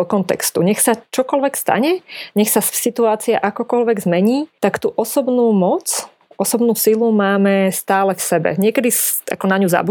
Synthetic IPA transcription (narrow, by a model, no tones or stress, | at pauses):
ɔkɔnt̪ɛ̰kst̪uɲɛxsat͡ʃɔkɔlʋɛkst̪a̰ɲɛɲɛxsasit̪uaːt͡sia̰ʔakɔkɔlʋɛɡzmɛɲiːt̪akt̪uːʔɔsɔbnuːmɔt͡s | ʔɔsɔbnuːsilumaːmɛst̪aːlɛfsɛbɛ̰ɲɪɛkɛd̪isa̰kɔnaɲuza̰bu